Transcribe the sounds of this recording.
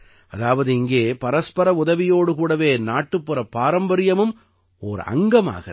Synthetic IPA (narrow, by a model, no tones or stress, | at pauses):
ɐðaːʋɐðɯɪŋɡeːpɐɾɐspɐɾɐʊðɐʋɪjoːɽɯkuːɽɐʋeːnaːʈːɯpːɯɾɐpːaːɾɐmbɐɾɪjɐmɯm | oːɾɐ̰ŋɡɐma̰ːɣɐ